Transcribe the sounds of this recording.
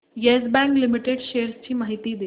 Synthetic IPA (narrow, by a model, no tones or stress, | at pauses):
jesbæ̃ŋklimiʈeɖɕeəɾst͡ɕiːmaɦit̪iːd̪e